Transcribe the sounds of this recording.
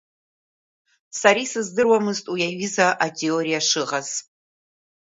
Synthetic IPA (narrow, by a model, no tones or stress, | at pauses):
saɾisɨzdɨrwamɨztʼujaɥizaʔatʰeoɾijaʂɨʁaz̥